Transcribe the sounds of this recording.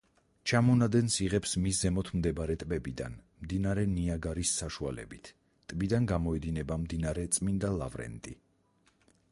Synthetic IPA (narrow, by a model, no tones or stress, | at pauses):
t͡ʃʰamɔnad̪ɛnsiʁɛpsmiszɛmɔt̪ʰmd̪ɛbɾɛt̪ʼbɛbid̪a̰n | md̪inaɾɛniaɡaɾisːaʃualɛ̰bit̪ʰ | t̪ʼbid̪anɡamɔɛd̪inɛbamd̪inaɾɛt̪sʼmind̪alˠa̰vɾɛ̰nt̪ʼi